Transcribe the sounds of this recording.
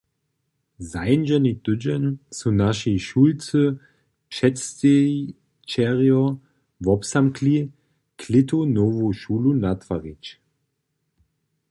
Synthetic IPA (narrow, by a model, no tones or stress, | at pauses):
zajnd͡ʒɛnid̪ɵd͡ʒɛnsunaʃiʃuːlt͡sə | pʃɛtste | t͡ʃɛʁjɔ | vɔpsamkʰli | kʰlɪtʰonovoʃuːlunatvaʁit͡ʃ